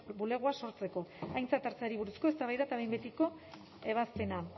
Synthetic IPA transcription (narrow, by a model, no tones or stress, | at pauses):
bule̞ɣ̞uaso̞ɾt͡se̞ko̞ajnt͡sat̪aɾt͡seaɾiβuɾusko̞e̞st̪aβajðat̪aβe̞jmbe̞t̪iko̞ | e̞β̞aspe̞na